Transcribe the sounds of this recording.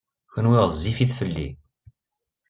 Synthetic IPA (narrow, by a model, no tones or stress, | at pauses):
çənwɪʁzːifiθfəlːḭ